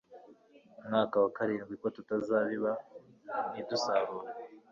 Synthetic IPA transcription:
mŋaːkawakaɾiːnɡwikotutazaːβiβa | nidusaβuɾe

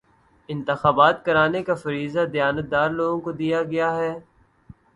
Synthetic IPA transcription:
ɪ̃nt̪ɪxaːbaːt̪kɐɾaːnekafɐɾiːzad̪ɪjaːnət̪̚d̪aːɾloːɡõkod̪ijaɡɐjaɦɛː

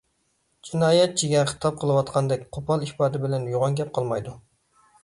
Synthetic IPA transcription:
d͡ʒinɑːjɛt̪̚d͡ʒʰiɡʲɛnχə̥t̪ʰɑp̚qʰəlˠɨwɑt̪qʰɑnd̪ɛk̚ʲqʰopʰɑlˠihpɑːd̪ɪbɪlɛnjoʁɑŋɡʲɛp̚qʰɑlˠmɑjd̪u

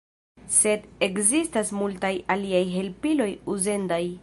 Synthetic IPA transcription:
se̞de̞kzistasmultajaliajɦe̞lpilo̞juze̞ndaj

